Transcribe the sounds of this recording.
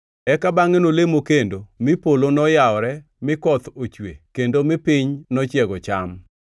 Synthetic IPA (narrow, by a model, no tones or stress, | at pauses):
ɛkabaŋenolemokendomɪpolonɔjaɔɾɛ | mɪkɔt̪ot͡ʃwekendomɪpɪɲnɔt͡ʃjɛɡɔt͡ʃam